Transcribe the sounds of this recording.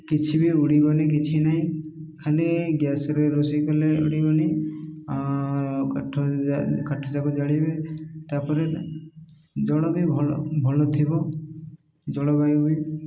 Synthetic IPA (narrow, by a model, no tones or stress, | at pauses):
kit͡ʃʰibiuɽibɔnikit͡ʃʰinaɦĩkʰaliɡjasɔɾeɾosikɔleṵɽibɔni | ʈʰɔkaʈʰɔd͡ʒakɔd͡ʒaɽibet̪apɔɾe | d͡ʒɔɽɔbibʱbʱɔlɔt̪ʰibɔ | d͡ʒɔɽɔbajubi